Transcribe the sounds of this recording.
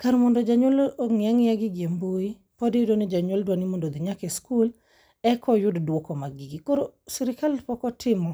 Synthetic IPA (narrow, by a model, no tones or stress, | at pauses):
kaɾmɔndɔd͡ʒaɲwoloŋjaŋjaɡiɡjemboi | pɔdidonɪd͡ʒaɲwoldwanimondod̪iɲakeskul | ɛkʰɔjʊddwokɔmaɡiɡikoɾosiɾɪkalpɔkɔtʰɪmɔ